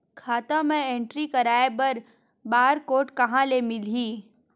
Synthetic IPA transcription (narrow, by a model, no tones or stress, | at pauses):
kʰaːt̪ãmẽẽːɳʈɾikɐɾaːebɐɾ | baːɾkoːʈkɐɦãlemɪliː